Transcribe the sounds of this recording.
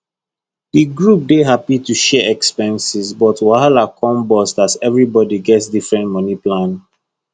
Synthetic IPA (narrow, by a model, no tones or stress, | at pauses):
diɡɹup̚deɦapituʃɛɛkspɛ̃nsizbɔtwaalakʰɔ̃mbɔstazɛvɹibɔdiɡɛtsdifɹɛ̃ntmɔniplãn